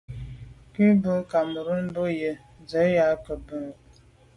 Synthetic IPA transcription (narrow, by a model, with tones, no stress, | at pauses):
ki˦bə˦ka˨mə˨ɾə˦n̩˦bo˦jə˦ | d͡zə˨˦ja˦kə˨bə˦ŋ˨